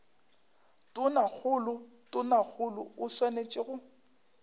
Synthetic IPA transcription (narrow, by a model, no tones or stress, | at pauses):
tʼʊnak͡xʰʊlʊ | tʼʊnak͡xʰʊlʊʊswanet͡ʃʼɪɣʊ